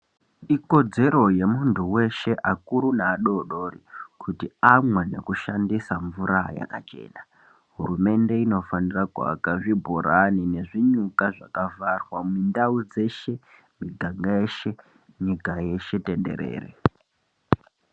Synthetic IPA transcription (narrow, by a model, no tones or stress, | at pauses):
iko̞d͡ze̞ɾo̞je̞muntuwe̞ʃe̞ʔakuɾunaːɗo̞ɗo̞ːrikʰutiamwane̞̰kuʃandisaɱvuɾaja̰kat͡ʃe̞̰ːna | ɦurume̞nde̞ino̞faniraka̰a̰kaʐibʱuɾanine̞ʐiɲukaʐakavarwamindaud͡ze̞ʃe̞ | miɡʱaŋɡaeʃe̞ | ɲikaje̞ʃete̞nde̞̰ɾḛːrḛ